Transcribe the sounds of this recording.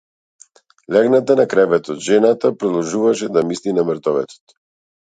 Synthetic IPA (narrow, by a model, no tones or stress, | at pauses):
lʲaɡnat̪anakɾɛvɛt̪ɔd̪ʒɛnat̪apɾɔd̪ɔlˠʒuvaʃɛd̪amislinaməɾt̪ɔvɛ̰t̪ɔ̥t̪